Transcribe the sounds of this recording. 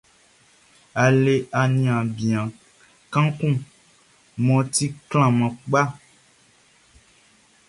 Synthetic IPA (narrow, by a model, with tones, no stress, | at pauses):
a˨le˨a˨nĩ˨ã˨bĩ˨ã˨ | kã˦kũ˦ | mɔ̃˨t̪i˦kl̃ã˨mã˨k͡pa˦